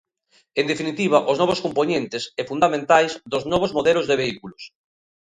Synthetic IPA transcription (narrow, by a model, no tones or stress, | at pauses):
end̪efinit̪iβaʔoznɔβoskomponent̪esɛfund̪amẽnt̪ajzðoznɔβozmoðɛlozðeβ̞eikulos